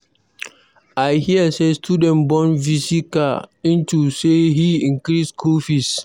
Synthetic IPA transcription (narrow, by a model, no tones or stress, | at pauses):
ajhiəsestudɛ̃nbɔ̃nvisikaĩntusehiĩŋkɹiskʰofis